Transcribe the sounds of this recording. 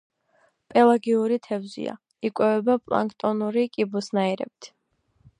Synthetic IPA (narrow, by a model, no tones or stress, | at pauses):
pʼɛlˠaɡiuɾit̪ʰɛvzḭa̰ | ikʼwɛvɛbapʼlˠa̰ŋkʼt̪ʼɔnuɾikʼibusnaiɾɛ̰b̚t̪ʰ